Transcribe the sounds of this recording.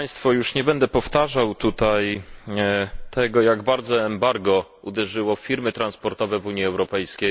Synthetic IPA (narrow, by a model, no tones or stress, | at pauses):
ajst̪fɔjuʂɲɛbɛnd̪ɛpɔft̪aʐawt̪ut̪aj | t̪ʰɛɡɔjaɡbaɾd̪zɔɛmbaɾɡɔ | ud̪ɛʐɘwɔfʲiɾmɘt̪ɾanspɔɾt̪ɔvɛvuɲiɛwɾɔpɛjskʲej